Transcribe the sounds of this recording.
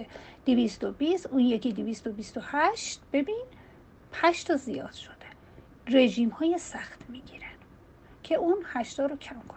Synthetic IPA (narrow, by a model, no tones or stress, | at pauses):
ed̪̥evist̪obist̪ʔunjekʰid̪ivist̪obist̪ohæʃt̪b̥e̞bin | pʰæʃt̪ʰɒːzijɒ̰ːd̪̥ʃod̪̥e | re̞ʒiːmhɒːjesæxt̪miːɡiɾæn̥ | cʰe̞ʔuːnhæʃt̪ɒːɾocʰæmkʰon